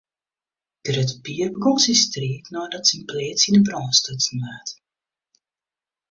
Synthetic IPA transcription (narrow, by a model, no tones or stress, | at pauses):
d̥əɾətbiərbəɡɔnsistriətnɔːdɔtsinpleːtsinəbrɔːstøt͡sn̩ʋaːt